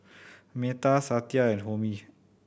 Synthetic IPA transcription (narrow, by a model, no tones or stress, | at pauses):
met̪asat̪jaɛnɦomi